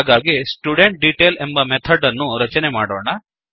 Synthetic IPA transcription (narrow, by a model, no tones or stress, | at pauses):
ɡaːɡesʈjuɖeɳʈ̚ɖiʈeːlembɐmɛt̪ʰɐɖɐnːuɾɐt͡ʃɐnemaːɽoːɳɐ